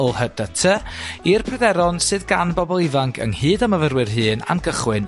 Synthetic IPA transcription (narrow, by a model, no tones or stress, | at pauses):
ɔlˠhəd̥ətʰəirpʰrɛdɛɾɔnsɨðɡanbɔbɔlˠɪvaŋkʰə̰ŋhɨːdaməvərwɨrɦɨːna̰nɡəχwɪn